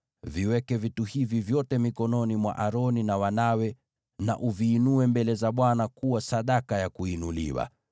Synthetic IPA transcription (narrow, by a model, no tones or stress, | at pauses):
viwɛkɛvituhivivjɔtɛmikɔnɔnimwa̰ʔaɾɔninawanawɛ | na̰ʔuviːnuɛmbɛlɛzaɓwanakuwasaɗakajakuinulḭwa̰